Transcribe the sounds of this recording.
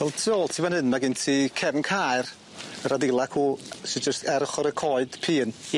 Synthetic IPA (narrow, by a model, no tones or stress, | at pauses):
ɛlˠtʰiɔlˠtʰiːvɛnhɨnmaɡɪntʰiːkʰɛvnkʰar | əɾadɪlˠakʰuːsɪd͡ʒəstɛɾχɔɾəkʰɔɨd̥pʰiːn